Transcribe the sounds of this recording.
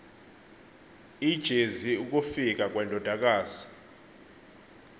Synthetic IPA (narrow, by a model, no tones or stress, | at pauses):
id̥ʒ̥ʱeziuk̬ʼufik̬ak̬ʼwɛndʱɔd̥ʱak̬ʼaːz̥i̥